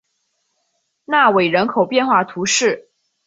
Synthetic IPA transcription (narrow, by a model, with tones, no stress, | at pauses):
na˥˩we˨˩ɪɻə˧˥nkʰo˨˩ʊpjɛ˥˧nxwa˥˩t̪ʰu˧˥ʂɻ̩˥˩